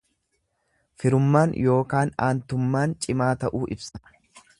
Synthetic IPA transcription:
fɪɾʊmːaːnjo̞ːkaːnaːnt̪ʊmːaːnt͡ʃʼɪmaːt̪ɐʔuːʔɪbsɐ̥

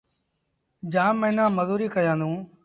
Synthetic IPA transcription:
d͡ʒãːmə̃nãːməzuːɾiːkəjãːnd̪ũː

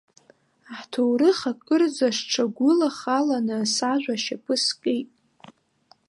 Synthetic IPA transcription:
aħtʰowɾɨχakʼɨrd͡zaʂʈ͡ʂʰaɡʷʊlaχalanɨsaʒᶣʷaʃapʰɨskʼejtʼ

